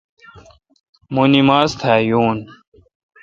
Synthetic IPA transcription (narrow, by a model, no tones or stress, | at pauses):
munimaːst̪ʰaːjuːn